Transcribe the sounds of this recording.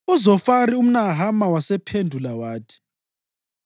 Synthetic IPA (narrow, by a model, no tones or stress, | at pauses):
uzɔfaɾium̩naɦamawasɛpʰendʱulawaːtʰi̥